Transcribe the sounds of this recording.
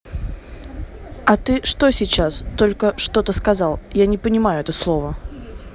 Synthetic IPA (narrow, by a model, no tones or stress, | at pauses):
ɐt̪ɨʂt̪o̞sʲɪt͡ɕːast̪o̞lʲkəʂt̪o̞t̪əskɐzɑlˠjanʲɪpənʲɪmajʊɛt̪əslˠo̞və